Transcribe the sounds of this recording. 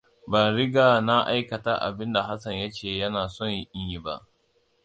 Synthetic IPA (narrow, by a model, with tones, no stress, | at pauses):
baː˨ɾɪ˦ɡaː˨na˦ʔa˦jkɐ˨ta˦ʔa̰˨bɪ˦nda˨ɦa˦sɐ˨ɲjɐ˦t͡ʃeː˨jɐ˦naː˨sɔ˦˨ɲji˦ʔʲɪ˦ɲji˦ba̰˦ʔ